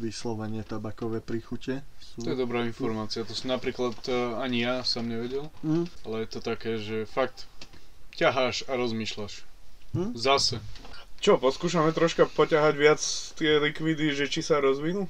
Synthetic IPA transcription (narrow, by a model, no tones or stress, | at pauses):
ʋislɔʋɛɲɪɛt̪abakɔʋɛːpɾixucɛsut̪ːɔjɛd̪ɔbɾaːinfɔɾmaːt͡siat̪ɔsɔmnapɾiːklat̪aɲijasɔmɲɛʋɛɟɛlalɛjɛt̪ɔt̪akɛːʒɛfak̚t̪ | caɦaːʃaɾɔzmiːʃlaʃ | zasɛt͡ʃɔpɔskuːʃamɛt̪ɾɔʃkapɔcaɦaɟʋɪat͡st̪ɪɛlikʋid̪iʒɛt͡ʃisaɾɔzʋinu